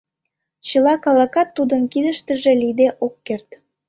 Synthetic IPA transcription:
t͡ɕəlɑkɑlɑkɑt̪ːud̪ənkid̪əʃt̪ə̆ʒelid̪eʔokːert̪

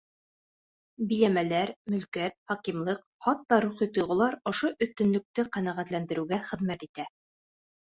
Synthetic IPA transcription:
bilæmælæɾmɵ̆lkæt̪̚χɑkimlˠɤq | χɑt̪ːɑɾuχit̪ŏjʁɤ̆lˠɑɾŏʃoʔɵ̆θt̪ɵ̆nlɵ̆k̚t̪ɘqænæʁæt̪lænd̪ɘ̆ɾɘ̆ɡæχɘ̆ðmæt̪it̪æ

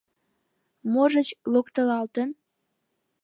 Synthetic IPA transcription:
moʒət͡ɕlokt̪əlɑlt̪ən

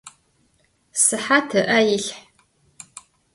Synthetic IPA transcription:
sɨħatʰɨʔajiɬħ

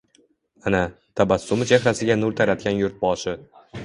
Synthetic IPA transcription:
anat̪ʰabasːʊmɪt͡ʃʰehɾasɪɡʲanʊɾt̪ʰaɾat̪̚kʲanjʊɾt̪̚bɒʃɪ

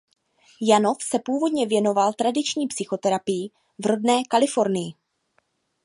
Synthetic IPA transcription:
jano̞fsɛpuːvo̞dɲɛvjɛno̞valt̪ɾadɪt͡ʃɲiːpsɪxo̞t̪ɛɾapɪjɪ | vro̞dnɛːkalɪfo̞ɾnɪjɪ

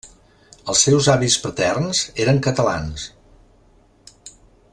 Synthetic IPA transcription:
əlˠsːɛwzaβispət̪ɛrnzeɾəŋkət̪əlans

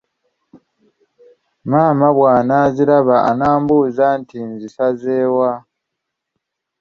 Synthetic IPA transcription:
maːmaβwaːnaziɾaβaʔa̰naːmbuːzantʰinzisazeːwa

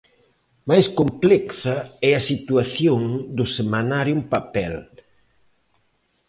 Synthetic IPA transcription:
majskomplɛksaɛasit̪uaθjoŋd̪ʊsemanaɾjumpapɛl

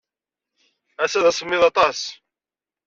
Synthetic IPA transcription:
æsæðæsəmːɪðɑt̪ˤɑs

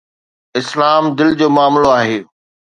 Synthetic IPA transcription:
ɪslaːmd̪ɪld͡ʑoːmʊaːmloaːɦeː

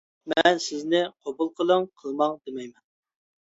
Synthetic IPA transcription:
mɛnsɪznɪqʰobulˠqʰəlˠəŋqʰəlˠmɑŋd̪emɛjmɛn

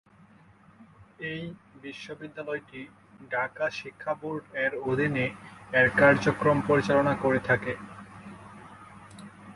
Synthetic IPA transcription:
ejbiʃːobid̪ːalɔeʈi | ɖʱakaʃikʰːabuɾɖɛɾod̪ʱineɛɾkaɾd͡ʑokɾompoɾit͡ɕalonakoɾet̪ʰake

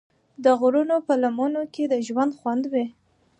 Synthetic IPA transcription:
d̪əɣɾunopəlamunoked̪əʒwand̪xwand̪we

